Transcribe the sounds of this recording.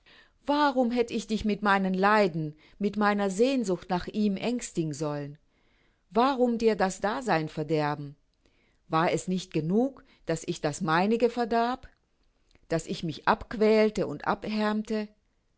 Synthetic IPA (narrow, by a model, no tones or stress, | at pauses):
vaʁʊmɦɛtəɪçd̥ɪçmɪtmaɪnənlaɪdn̩ | mɪtmaɪnɐzeːnzʊxtnaːχʔiːmʔɛŋstɪɡŋ̩zɔlən | vaʁʊmdiːɐdasd̥aːzaɪnfɛɐdɛɐbm̩ | vaːɐɛsnɪçt̚ɡ̥ənuːk | d̥asɪçd̥asmaɪnɪɡəfɛɐɡaːp | d̥asɪçmɪçʔapkv̥ɛːltəʊntʔa̰pɛɐmtə